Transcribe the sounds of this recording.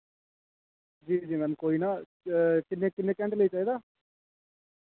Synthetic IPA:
d͡ʒiːd͡ʒiːmɛ̃ːnkoːinaː | kɪnːeːkɪnːeːkɛ̃ːɳʈləit͡ʃaːɦiːd̪aː

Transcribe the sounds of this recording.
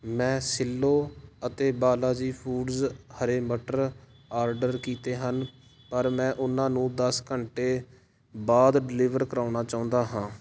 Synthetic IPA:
mɛ̃ːsɪlːoːət̪eːbaːlaːd͡ʒiːpʰuːɖzhəɾeːməʈəɾ | aːɾɖəɾkiːt̪eːɦən | pəɾmɛ̃ːʔʊnãːnũːd̪əskəɳʈeː | baːd̪ɖlɪːʋəɾkəɾaːʊnaːt͡ʃaːʊ̃nd̪aːɦãː

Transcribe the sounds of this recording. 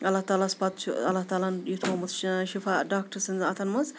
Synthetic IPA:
ɐlːaɦt̪aːlaspat̪t͡ʃɐlːaɦt̪aːlanjit̪ʰoːmɐsʃifaɖaːk̚ʈɐɾsɐnzɐt̪ʰɐnmɐz

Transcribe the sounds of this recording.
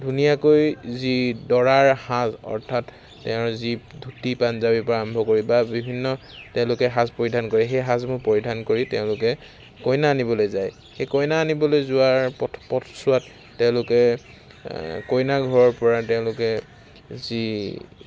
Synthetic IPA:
dʱunijakojzidɔɹaɹhãzɔ̰ɹtʰatː | ɛʊ̃zidʱutipanzabipaɹɔmbʱɔkoɹibabibʱinːɔtɛʊ̃lʊkɛɦãspoɹidʱankoɹɛxejɦãzmʊpoɹidʱankoɹitɛʊ̃lʊkɛ | kɔjnaːnibɔlojzaj | xejkɔjnaːnibɔlojzʊaɹpʰpɔtʰsʊatː | ɛʊ̃lʊkɛ | kojnaɡʱɔɹɔɹpɔɹatɛʊ̃lʊkɛ | zi

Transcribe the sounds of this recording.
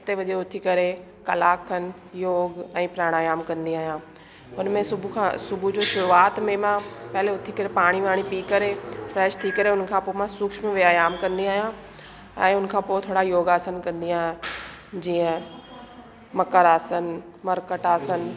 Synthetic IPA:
t̪eʋɐʄeʊt̪ʰikɐɾe | kɐlaːkʰːənɪ̆ | joːɡɛ̃ːpɾaːɽ̃aːjaːmkɐ̃nd̪iaːɦijã | ʊnmẽsʊbʱukʰã̰sʊbʱud͡ʑoːʃʊɾuaːt̪mẽmãpɐɦɪleʊt̪ʰikɐɾepaːɽ̃iʋaːɽ̃ipiːkɐɾefɾɛːʃt̪ʰiːkɐɾeʊnkʰãːpoːemãsʊːkʃmẽʋiaːjaːmkɐ̃nd̪iaːɦjã | ɛ̃ːʊnkʰãːpoːt̪ʰoːɽajoːɡaːsənkɐ̃nd̪iaːɦ | d͡ʑiːə̃ | mɐkəɾaːsən | mɐɾkəʈaːsən̆

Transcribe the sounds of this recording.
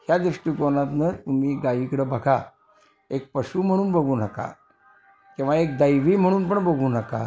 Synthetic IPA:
hjad̪ɾuʂʈiːkonat̪nət̪umiːɡaʋikɽəbʱəɡa | ek̚pəɕuːm̤əɽ̃uːnbəɡʱuːnəka̰ | kĩw̃ʋaek̚d̪əjʋiːm̤əɽ̃uːnpəɳbəɡʱuːnəka̰

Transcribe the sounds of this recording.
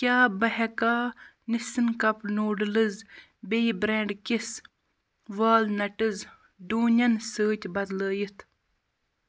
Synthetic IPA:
kʲaːbɐɦɐkaː | nisɨnkɐpnoːɖɨlɨz | bejbɾeːɳɖkis | ʋaːlnɐʈɨz | ɖuːnʲɐnsəːt̪ʲbɐd̪ləːjit̪ʰ

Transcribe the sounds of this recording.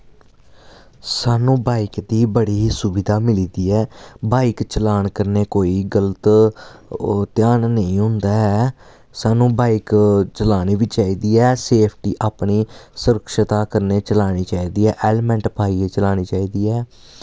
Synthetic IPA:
saːnũːbaːikd̪iːbəɽiːsʊbɪd̪aːmɪliːd̪iːɛːbaːikt͡ʃəlaːɳkəɾneːkoːiːɡələt̪ | t̪ɪjaːnnəĩːɦʊ̃nd̪aːɛ | saːnũːbaːikt͡ʃəlaːɽiːʋiːt͡ʃaːiːd̪iːɛːseːpʰʈiːʔaːpniːsʊɾəkʃt̪aːkəɾneːt͡ʃəlaːɽ̃iːt͡ʃaːiːd̪iːɛːʔeːlmɛ̃ɳʈpaːiːeːt͡ʃəlaːɽ̃iːt͡ʃaːiːd̪iːɛː

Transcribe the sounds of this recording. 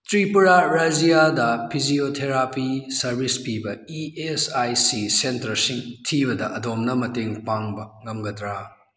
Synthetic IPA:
tɾipuɾaɾad͡ʒijadɐpʰid͡ʒiotʰeɾapisɐɾbʱispibɐiesajsisentɐɾsiŋtʰiβɐdɐʔɐdomnɐmɐteŋpaŋbɐŋɐmɡɐdɾa

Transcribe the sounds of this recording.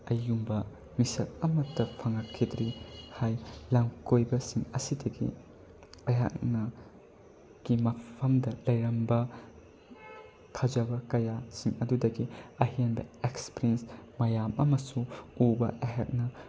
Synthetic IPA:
ɐjumbɐ | misɐk̚ɐmɐtːɐpʰɐŋɐkʰidɾihajlaŋkojbɐsiŋɐsidɐɡḭ | ɐjɦa̰k̚nɐ | ɡ̥imɐpʰɐmdɐlɐjɾɐmbɐ | kʰad͡ʒɐbɐkɐjasiŋɐdudɐɡiɐɦinbɐ̰ekspiɾiensmɐjamɐmɐsuubɐʔɐjɦak̚nɐ

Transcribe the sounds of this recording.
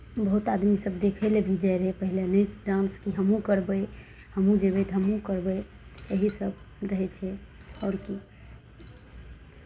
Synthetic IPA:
bəɦut̪ad̪misəbd̪ekʰelebʱid͡ʒaeɾəɦepəɦilenəɾãnskiɦəmũkəɾbəj | həmũd͡ʒebet̪ɦəmũkəɾbəj | eɦisəb | ɾəɦɛt͡ʃʰɛɔɾki

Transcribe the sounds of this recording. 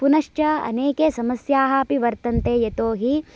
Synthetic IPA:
punɐʂt͡ʃɐɐ̰neːkeːsɐmɐsjaːɦɐɐpiʋɐɾt̪ɐnt̪eːjet̪oːɦi

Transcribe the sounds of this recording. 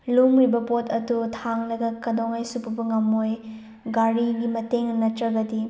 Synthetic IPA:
lumɾibɐpotʰɐdutʰaŋlɐɡɐkɐdoŋajsupubɐŋɐmoj | ɡaɾiɡimɐteŋnɐtɾɐɡɐti

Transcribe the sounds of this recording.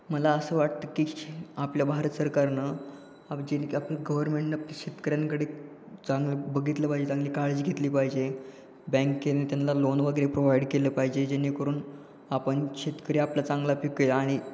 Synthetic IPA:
məlaəsəːʋaʈt̪əːkiːapljabʱaɾət̪səɾkaɾnə | ad͡ʑenkapləɡəʋəɾmeɳʈnapliɕet̪kəɾjankəɽe | t͡sãŋɡləbəɡʱit̪ləpaɦid͡ʑet͡sãŋɡliːkaled͡ʑɡʱet̪liːpaɦid͡ʑe | bɛ̃ŋkkenet̪janlalonʋəɡəɾepɾoʋaiɖkeləːpaɦid͡ʑed͡ʑenːikəɾuːn | apəɳɕet̪kəɾeapljat͡saŋɡlapikelːɽ̃i

